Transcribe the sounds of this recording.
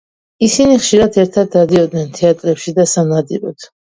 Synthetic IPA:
isiniχʃiɾad̪ʰɛɾt̪ʰad̪̚ːad̪iɔd̪nɛnt̪ʰɛat̪ʼɾɛpʃid̪asamnad̪ḭɾɔ̰d̪̥ʰ

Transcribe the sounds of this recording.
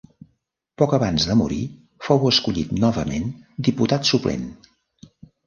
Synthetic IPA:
pɔkəβanzðəmuɾi | fowəskuʎit̪nɔβəmḛnd̪iput̪at̪suplḛm

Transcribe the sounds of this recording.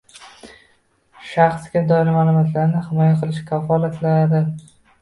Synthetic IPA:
ʃɑχsɡʲad̪ɒɪɾɪmaːlˠʊmat̪ʰlaɾnɪhɪmɒjaqʰɨlɪʃkʲʰafɒlˠat̪laɾɪ

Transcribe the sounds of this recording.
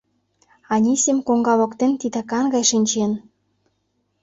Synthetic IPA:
ɑnʲisʲemkoŋɡɑlŏkt̪ent̪id̪ɑkɑnɡɑjʃinʲt͡ɕen

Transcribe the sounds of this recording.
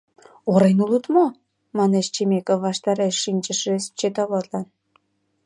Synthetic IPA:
oɾenulut̪mo | mɑnet͡ɕt͡ɕemekovːɑʃt̪ɑɾeʃːinʲt͡ɕəʃest͡ɕet̪ɑβot̪lɑn

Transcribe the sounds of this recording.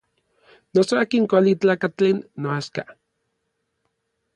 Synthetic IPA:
nosoaːkiŋkʷalit͡ɬaːkat͡ɬeːnːoaska

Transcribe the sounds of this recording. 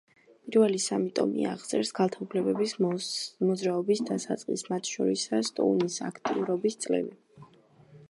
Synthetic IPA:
pʼiɾvɛlisamit̪ʼɔ̰mḭa̰ʁd̪sʼɛɾsɡ̥alˠt̪ʰaupʰlɛbɛbismɔzɾaɔbisd̪asat̪sʼqʼismat̪ʰʃɔ̰ɾisast̪ʼɔ̰unisa̰kʰt̪ʼiuɾɔbist̪sʼlɛ̰vi

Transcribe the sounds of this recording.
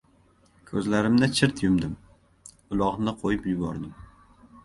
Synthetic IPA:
kʰɵzlaɾɪmd̪at͡ʃʰɪɾt̪jʊmd̪ɪm | ʊlˠɒʁnɪqʰojɪpjʊbɒɾd̪ɪm

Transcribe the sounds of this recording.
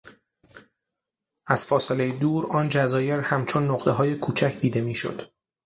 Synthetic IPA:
æz̥fɒːse̞le̞jed̪uːɾɒːnd͡ʒæzɒːje̞ɾhæmt͡ʃʰo̞nːoqt̪eɦɒːje̞kʰuːt͡ʃʰæcʰd̪iːd̪e̞miːʃo̰d̪̥

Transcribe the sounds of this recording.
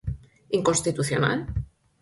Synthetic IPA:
iŋkonst̪it̪uθjona̰l

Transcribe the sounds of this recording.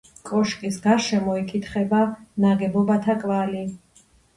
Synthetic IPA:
kʼɔʃkʼisɡaɾʃɛmɔikʼit̪ʰχɛbanaɡɛbɔbat̪ʰakʼvali

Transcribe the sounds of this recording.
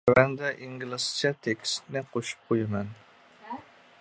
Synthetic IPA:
wɛnd̪ɛʔiŋɡʲlˠɨsɨ̥t͡ʃʰɛt̪ʰekʲʰst̪nɪqʰoʃu̥p̚qʰojɪmɛn

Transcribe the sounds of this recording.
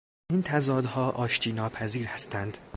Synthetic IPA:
ʔint̪ʰæzɒːd̪hɒːʔɒːʃt̪ʰiːnɒːpʰæziːɾhæst̪ʰænd̪̥

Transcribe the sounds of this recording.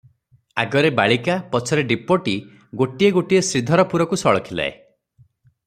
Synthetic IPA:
aɡɔɾebaɭikapɔt͡ʃʰɔɾeɖipoʈi | ɡoʈieɡoʈiesɾid̪ʱɔɾɔpuɾɔkusɔɭɔkʰila̰ḛ

